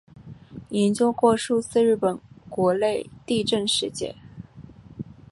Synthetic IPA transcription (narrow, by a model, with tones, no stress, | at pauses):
i˧˥nt͡ɕjʊ˥kwɔ˥˧ʂu˥˧t͡sɹ̩˥˧ɻɻ̩˥˩pə˨˩nkwɔ˧˥le˥˧ɪt̪i˥˧ʈ͡ʂə˥˧nʂɻ̩˥˧t͡ɕjɛ̰˥˩